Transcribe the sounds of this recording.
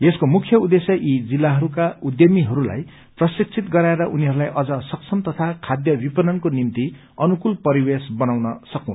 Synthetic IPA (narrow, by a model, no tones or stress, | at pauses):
eskomukʰjʌud̪esjʌʔid͡zilːaɦʌɾukaud̪jʌmiɦʌɾula̰j | prʌsik̚t͡sʰit̪ɡʌɾaeɾʌʔuniɦʌɾulajʔʌd͡zʌsʌksʰʌmt̪ʌt̪ʰakʰad̪jʌbipʌnʌnkonimt̪i | ʌnukulpʌɾiwesbʌnawnʌsʌkow̃n